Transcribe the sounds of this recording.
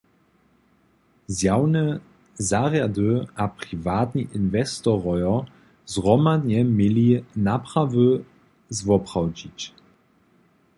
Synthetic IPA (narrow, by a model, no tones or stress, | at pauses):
zjawnɛ | zaːʁjadəʔapʁ̥ivaːt̪ɲiʔinvɛst̪ɔʁɔjɔ | zʁɔmad̪ɲɛmɪlinapʁavə | zvɔpʁ̥awd͡ʑit͡ɕ